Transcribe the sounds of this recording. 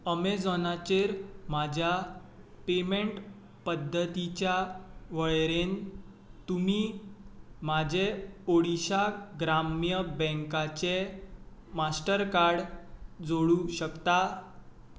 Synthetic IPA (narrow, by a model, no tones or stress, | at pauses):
əmed͡zɔnat͡ɕeɾmad͡ʑʱjapemeɳʈ | pəd̪ʱːət̪it͡ɕjaʋəɭɾen | t̪umi | mad͡ʑʱeoɽiɕaɡɾamjəbɛ̃ŋkat͡ɕe | masʈəɾkaɾɽd͡zoɽuɕəkt̪a